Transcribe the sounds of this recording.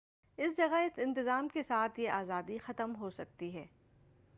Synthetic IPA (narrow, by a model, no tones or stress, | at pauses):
ɪsd͡ʒɐɡaɪsɪ̃nt̪ɪzaːmkesaːt̪ʰjeʔaːzaːd̪ixɐt̪əmɦosɐk̚t̪iɦɛː